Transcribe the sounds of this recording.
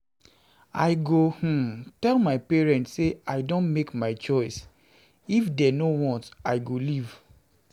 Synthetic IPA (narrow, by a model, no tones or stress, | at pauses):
a̰ɪɡoh̩tɛlmaɪpɛɹɛ̃ntseaɪdõntmekmaɪt͡ʃɔɪs | ifdɛnowɔ̃ntaɪɡoliv